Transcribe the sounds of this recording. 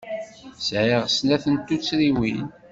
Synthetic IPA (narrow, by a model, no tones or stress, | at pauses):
sʕiʁsnæθənt̪ːut͡sːɾiwin